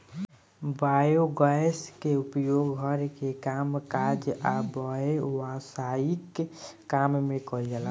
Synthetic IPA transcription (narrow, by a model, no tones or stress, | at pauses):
bajoɡaeskeupjoɡɦʌɾkekamkad͡ʒabɔewasaikːammekɔɾd͡ʒɛla